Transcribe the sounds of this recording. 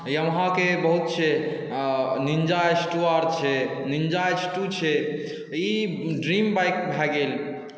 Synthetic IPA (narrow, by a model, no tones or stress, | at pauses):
iəmɦãkebəɦut̪̚t͡ʃʰɛ | nind͡ʒaesʈuaɾt͡ʃʰɛ | nind͡ʒaesʈut͡ʃʰɛ | i | ɖɾimbajkbʱɛɡel